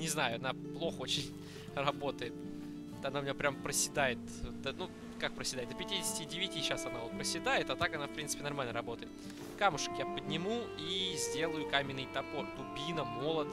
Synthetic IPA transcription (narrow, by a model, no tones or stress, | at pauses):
nʲɪznajʊɐnaplˠo̞xəot͡ɕɪnʲ | rɐbo̞t̪əjɪt̪ | t̪ɐnaʊmʲɪjapɾʲampɾəsʲɪd̪ajɪt̪̚ | d̪ənu | kak̚pɾəsʲɪd̪aɪt̪̚d̪əpʲɪtʲidʲɪsʲɪ̥tʲɪdʲɪvʲɪtʲiɕːasɐnaot̪̚pɾəsʲɪd̪ajɪt̪ɐt̪akɐnafpɾʲinsɨpʲɪnɐrmalʲnəɾɐbo̞t̪əjɪt̪ | kamʊʂə̥kjapədʲnʲɪmu | izʲdʲe̞lˠəjʊkamʲɪnːɨjt̪ɐpo̞rt̪ʊbʲinəmo̞lˠəd̪